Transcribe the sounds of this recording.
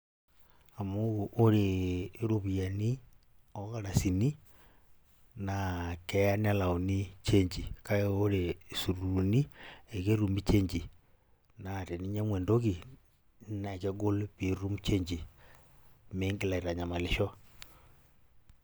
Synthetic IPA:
a˨mu˦ɣu˨ʔo˦ɾeɾo˨βi˨a˨ni˦ | o˦ɣaɾa˨si˨ni˦ | nake˦ja˦ni˦a˦la˨o˨ni˦t͡ʃe˦ɲd͡ʒi˨ka˦e˦o˦ɾesu˨ɾu˨ni˦e˨ke˦ɾu˨mbi˦t͡ʃe˦ɲd͡ʒi˨ | na˨te˨ni˦ɲa˦mwɛː˨ndo˦ki˨ | na˨ke˦ɡo˦lβi˨ɾu˦mu˦t͡ʃe˦ɲd͡ʒi˨ | me˦ŋɡe˦la˨i˨ɾa˨ɲa˨ma˨le˨ʃo˦

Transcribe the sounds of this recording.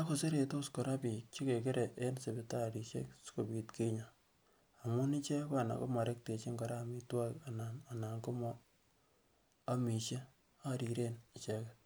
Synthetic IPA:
a˦ko˨se˦ɾe˨to˦sko˨ɾa˦pi˨t͡ʃi˦ke˨kɪ˦ɾʔe˨ʔe˦nse˨bɪ˦ta˦˨ɾi˨ʃḛ˦ksko˨bi˨tke˦ɲa˨ | a˨mʊ˦ni˦t͡ʃe˦kwa˦˨na̰˨ko̰˦ma˨ɾe˦k̚te˨t͡ʃi˦ŋɡɔ˨ɾa˦˨mi˦twa˦ka˨na˨na˨na˨ŋko˦mɔ˦ | a˦mi˨ʃe˦ | a˦ɾi˨ɾe˦ni˨t͡ʃɛ˦kɛ

